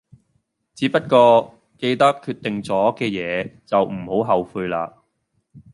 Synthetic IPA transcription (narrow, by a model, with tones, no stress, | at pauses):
t͡siː˨˥pɐ˥t̚kɔː˧ | ke˧jt̪ɐ˥kkʰːyː˧t̪ɪ˨ŋt͡sɔː˨˥kɛː˧jɛː˨˧t͡sɐ˨wm̩˨˩ho˨˥wɦɐ˨wfuː˧jla̰ː˧